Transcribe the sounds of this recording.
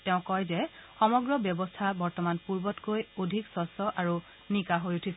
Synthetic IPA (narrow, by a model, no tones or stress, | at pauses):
tɛʊ̃kɔjzɛxɔmɔɡɹɔbjɔbɔstʰabɔɹtɔmanpuɹbɔtkojodʱiksɔsɔʔaɹu | nikaɦojutʰis